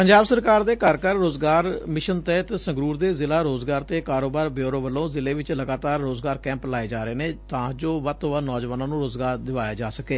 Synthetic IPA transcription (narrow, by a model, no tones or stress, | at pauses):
pəɲd͡ʒaːbsəɾkaːɾd̪eːkəɾkəɾːoːzɡaːɾmɪʃənt̪ɛːt̪sə̃ŋɡɾuːɾd̪eːzɪlaːɾoːzɡaːɾt̪eːkaːɾoːbaːɾbɪjoːɾõːʋəlːõːzɪleːʋɪt͡ʃləɡaːt̪aːɾːoːzɡaːɾkɛ̃ːmplaːeːd͡ʒaːɾeːneːt̪ãːd͡ʒoːʋət̪oʋanɔːd͡ʒʋaːnãːnũːɾoːzɡaːɾd̪ɪʋaːjaːd͡ʒaːsəkeː